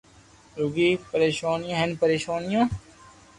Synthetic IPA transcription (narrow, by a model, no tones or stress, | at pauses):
ɾuɡiːpəɾeːʃaːnɪjãːɦenpəɾeːʃaːnɪjãː